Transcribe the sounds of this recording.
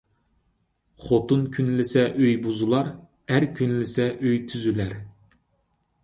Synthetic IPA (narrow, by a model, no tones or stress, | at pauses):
χot̪unkʲʰynlɪsɛʔøjbuzulˠɑɾ | æɾkʲʰynlɪsɛʔøjt̪ʰyzylæɾ